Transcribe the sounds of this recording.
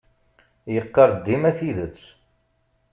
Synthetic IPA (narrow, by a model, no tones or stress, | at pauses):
jəqːɑɾˤd̪ːimæθiðət͡sː